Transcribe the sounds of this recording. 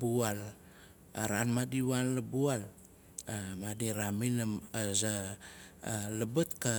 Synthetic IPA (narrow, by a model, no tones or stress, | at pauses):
bual | aɾanmadiwanlabual | madiɾaminaaza | ləbətka